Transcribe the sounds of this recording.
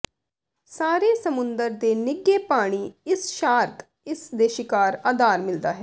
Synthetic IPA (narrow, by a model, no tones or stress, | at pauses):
saːɾeːsəmʊnd̪əɾd̪eːnɪɡːeːpaːɽ̃iːɪsʃaːɾk̪ | ɪsd̪eːʃɪkaːɾaːd̪aːɾmɪld̪aːɦɛː